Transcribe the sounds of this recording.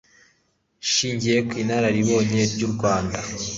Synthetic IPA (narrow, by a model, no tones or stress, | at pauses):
ʃiːɲɟije̞kwiːnaɾaɾiβo̞ːɲe̞ɾɟuɾɡwaːnda